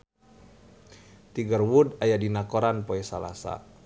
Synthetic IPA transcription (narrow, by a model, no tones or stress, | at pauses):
t̪iɡərwudajadinakoɾanpoɛsala̰sa̰